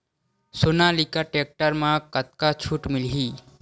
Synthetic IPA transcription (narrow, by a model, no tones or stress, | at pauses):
sonalikaʈek̚ʈəɾmãkət̪̚kat͡ʃʰuʈmilɦiː